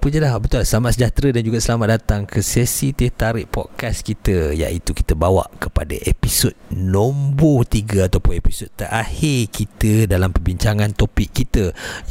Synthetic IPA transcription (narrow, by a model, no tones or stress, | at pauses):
pəd͡ʒalabət̪ulahsəlamat̪ʔsəd͡ʒat̪ɾədand͡ʒuɡaʔsəlamat̪̚dat̪aŋkʰəsɛsit̪et̪aɾiʔpɔ̰t̪̚kaskit̪əja̰ʔit̪uki̥t̪əbawa̰ʔkəpa̰də̰ʔepisod̪̚nõmbot̪iɡaat̪awpʊnepisod̪̚t̪ːəɾʔahirkit̪ədalampərbiɲt͡ʃaŋãnt̪opikːit̪ə